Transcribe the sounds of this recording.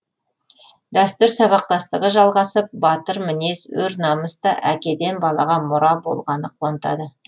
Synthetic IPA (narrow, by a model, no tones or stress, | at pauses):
d̪æst̪ʏɾsɑβɑq̚t̪ɑst̪əʁəʒɑlˠʁɑsəp̚bɑt̪əɾmɪne̞swɵɾnɑməst̪ɑʔækʲe̞d̪e̞nbɑlˠɑʁɑmʊɾɑbo̞̰lˠʁɑnəqʰʊwɑnt̪ɑ̰d̪ə